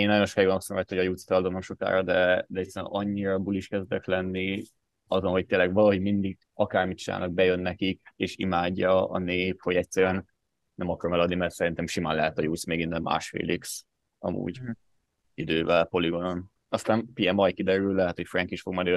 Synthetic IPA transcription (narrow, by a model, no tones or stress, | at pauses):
eːnːɔjonʃokjɡonosomat̪hoɒjuːt̪st̪ɒld̪omomʃo̞ka̰ːɾɒd̪ɛd̪ɛɛcsɛɾɛ̰mʔɒɲːiɾɒbuliʃkɛzd̪ɛklɛnːi | ɒzonɦo̞c̚t̪eːlːɛɡvɒlɒɦo̞ɟmind̪iɡ | ɒkaːrmit͡ʃina̰ːlnɒɡ̚bɛjønːɛkikeːʃḭmaːɟːɒɒ̰neːpho̞ɟɛcsɛɾyɛn | nɛmɒkɒɾomɛlɒd̪nimɛrt̪sɛɾint̪ɛmʃima̰ːnlɛɦɛt̪ɒjuːt̪smeːɡinːɛmːa̰ːʃfḛːliks | ɒ̰mṵːɟ | id̪øːvɛlpo̞liɡo̞non | ɒst̪aːnpiɛmɒjkid̪ɛɾyllɛɦɛt̪ho̞cfrɛŋkiʃfo̞ɡmɒd̪ø